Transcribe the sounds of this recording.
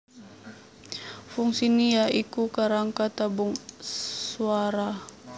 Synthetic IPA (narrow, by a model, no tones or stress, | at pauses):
fuŋsiniaʔikukaɾaŋkat̪abuŋsuaɾa